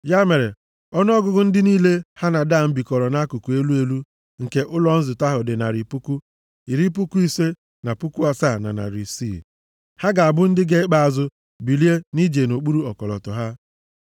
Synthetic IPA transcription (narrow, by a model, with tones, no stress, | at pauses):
ja˦me˨ɾe˨ | ɔ˦nʊ˦ɔ˦ɡʊ˦ɡʊ˦n̩˦dɪ˦niː˦le˦ha˦na˨da˦˨m̩˦bi˨kɔ˨ɾɔ˨na˦ku˨ku˨e˦lu˦e˦lu˦ | ŋ̩˨ke˦ʔʊ˦lɔ˨n̩˦zʊ˨ta˦ɦʊ˨dɪ˨na˨ɾi˨pu˦ku˦ | i˨ɾi˦p̬u˦ku˦i˦se˦ | na˨pu˦ku˦a˨sa˦˨na̰˨na̰˨ɾi˨sḭ˦˨ | ha˦ɡa˨a˨bʊ˦n̩˦dɪ˦ɡe˦ɪ˦k͡pa˨a˨zʊ˦ | bi˨li˦e˦ni˦d͡ʒe˨no˨k͡pu˦ɾu˦ɔ˨kɔ˨lɔ̰˨tɔ˨ɦa˦